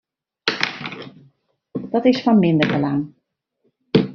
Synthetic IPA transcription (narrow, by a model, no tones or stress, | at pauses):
d̥ɑtɪsfɑnmɪndərbəlaŋ